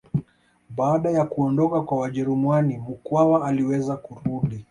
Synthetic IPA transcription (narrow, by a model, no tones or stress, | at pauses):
ɓaːɗajakuɔndɔkakwawaʄɛɾumwanim̩kwawaːliwɛzakuɾuɗi